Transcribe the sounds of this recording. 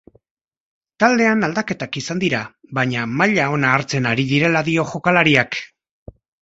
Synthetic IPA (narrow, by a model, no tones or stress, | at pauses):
t̪ald̪e̞anald̪ake̞t̪akisand̪iɾaβaɲamaʎao̞naːɾt͡se̞naɾiðiɾe̞laðio̞ʝo̞kalaɾiak